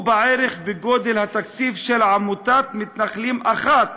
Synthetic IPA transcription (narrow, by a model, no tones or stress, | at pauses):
baʕeɾeχbeɡod̪elhat̪akt͡sifʃelʕamut̪at̪mit̪naχlimʔaχat̪̚